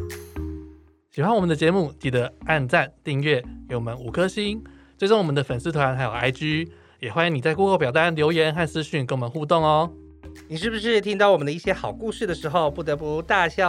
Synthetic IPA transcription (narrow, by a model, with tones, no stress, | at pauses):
ɕi˨˩xwa˥˦nwɔ˨˩mə˦nd̪ə˧t͡ɕjɛ˧˦mu˥˩t̪i˨˩d̪ə˧˦a˥˧nʈ͡ʂa˥˩nt̪i˥˧ŋɥɛ˥˩kɛ˧˥wɔ˨˩mə˦nu˨˩kʰɤ˦ɕi˥nt͡swɪʈ͡ʂo˥ŋwɔ˨˩mə˦nd̪ə˧fə˨˩nsɹ̩˥t̪ʰwa˧˦˥nxa˧ɪjo˨˩a̰˥ɪt͡ɕy˥ | jɛ˨˩xwa˥ni˧˥ŋni˨˩t͡sa˥˧ɪku˥˧kʰo˥˩ʊpjɑ˨˩ʊt̪a˥˩nljo˧˥ʊjɛ˧˥nxa˥˩nt͡sɹ̩˥ɕy˥˩nke˧˥wɔ˨mə̃˦nxu˥˧t̪o˥˩ŋɔ˧˦ | ni˨˩ʂ̬ɻ̩˥˩bu˩ʂ̬ɻ̩˥˩t̪ʰi˥ŋt̪ɑ˥˩ʊwɔ˨˩ə˦nə˧˦i˥˩ɕjɛ˥xɑ˨˩ʊku˥˧ʂɻ̩˥˩d̪ə˩ʂɻ̩˧˥xo˥˧ʊpu˥˩t̪ɤ˧˥pu˧˥t̪a˥˧ɕjɑ˥˧